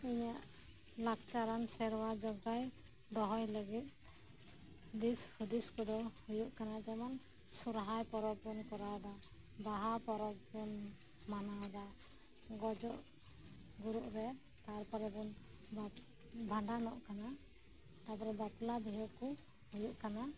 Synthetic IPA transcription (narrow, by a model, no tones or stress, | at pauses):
iɲaʔ | lakt͡ʃaɾansɛɾwad͡ʒɔɡaj | d̪ɔɦɔjləɡit̪̚ | d̪ishud̪iskɔd̪ɔhujuʔkanad͡ʒaman | suɾɦajpɔɾɔk̚punkɔɾad̪a | baɦapɔɾɔk̚pun | manad̪a | ɡɔd͡ʒɔʔ | ɡuɾuʔɾɛ | t̪aɾpɔɾɛb̪ɔn | bʱaɳɖanɔʔkana | t̪apɔɾɛbat̪labiɦuʔku | hujuʔkana